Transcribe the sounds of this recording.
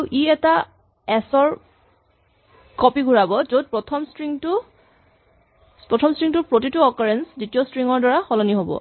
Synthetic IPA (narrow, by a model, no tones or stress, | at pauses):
uʔiɛta | ɛsɔɹ | kɔpiɡʱuɹabɔzod̚pɹɔtʰɔmstɹiŋtʊ | pɹɔtʰɔmstɹiŋtʊpɹotituɔkɔɹɛnsditijɔstɹiŋɔɹdaɹaxɔlɔniɦobɔ̰